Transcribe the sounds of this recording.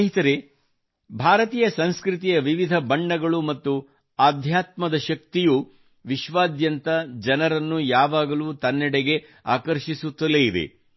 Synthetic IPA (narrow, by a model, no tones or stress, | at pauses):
ɦit̪ɐɾe | bʱaːɾɐt̪iːjɐsɐnskɾit̪̬ijɐʋiʋid̪ʱɐbɐɳːɐɡɐɭumɐt̪ːu | aːd̪ʱjaːt̪mɐd̪ɐʃɐk̚t̪iju | ʋiʃʋaːd̪jɐnt̪ɐd͡ʒɐnɐɾɐnːujaːʋaːɡɐluːt̪ɐnːɛɽeɡe̞ | a̰ːkɐɾʃisut̪ːɐleːid̪ḛ